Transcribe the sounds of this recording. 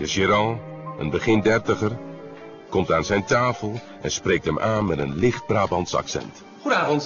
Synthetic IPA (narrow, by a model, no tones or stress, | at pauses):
dəʒiɾɑ̃ə̰nbəχɪndɛɹtəχər | kɔmtaːnzɛjntaːfəlˠ | ɛ̰nsprejk̚tɦɛmʔaːnmɛtənlɪχt̚braːbɑntsɑ̰ksɛ̰nt | χudnaːvɔnt